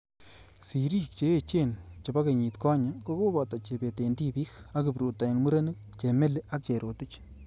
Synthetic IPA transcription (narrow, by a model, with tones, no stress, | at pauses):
si˨ɾi˦k̚t͡ʃe˦e˨t͡ʃe˦nt͡ʃe˨ba˦ke˨ɲi˨t̪kɔ˦ɲa˨ko˦ko˦ba˨t̪a˨t͡ʃe˨be˨te˨ndi˦bi˦xa˦kɪ˨pɾu˨ta˨nmu˦ɾa˦nɨ˦ | t͡ʃe˨me˦le˦ʔa˦k̚t͡ʃe˨ɾo˨tɪ˦t͡ʃ